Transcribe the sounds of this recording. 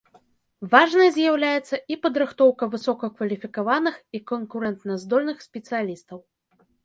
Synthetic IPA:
vaʐnɐjɐzʲjawlʲajɛt̪sːɐʔipɐd̪ɾɨxt̪ɔwkɐvɨsɔkɐkvɐlʲifʲikavanɨxikɐnkuɾɛnt̪nɐzd̪ɔlʲnɨxsʲpʲɛt̪sɨjalʲist̪ɐw

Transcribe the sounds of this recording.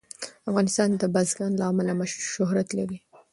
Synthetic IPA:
afɣɑnɪst̪ɑnd̪əbazɡɑnlaɑmalamaʃʃʊɦɾat̪laɾi

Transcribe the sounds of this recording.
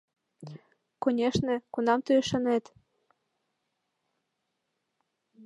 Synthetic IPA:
konʲeʃnĕkunɑmt̪yeʃɤnet̪

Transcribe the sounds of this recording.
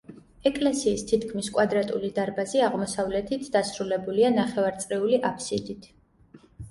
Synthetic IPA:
ɛkʼlɛsiːst̪ʰit̪ʰkʰmiskʼwad̪ɾat̪ʼulid̪aɾbaziaʁmɔsavlɛt̪ʰit̪ʰd̪̥asɾulɛbulianaχɛvaɾt̪sʼɾiuliʔapʰsid̪it̪ʰ

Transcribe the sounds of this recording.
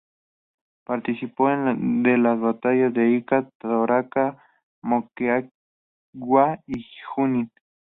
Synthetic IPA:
paɾt̪isipoend̪elasβat̪ajazd̪eikat̪aðoɾaka | mokea | ɡwaixuni

